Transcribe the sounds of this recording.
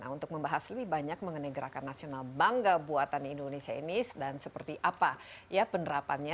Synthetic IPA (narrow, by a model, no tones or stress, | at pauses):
na̰unt̪ʊk̚məmbaɦasləbɪhbaɲak̚məŋənaɡəɾakanːasionalbaŋɡabuat̪anindonesiainisdansəpərt̪iʔapajapənəɾapanɲa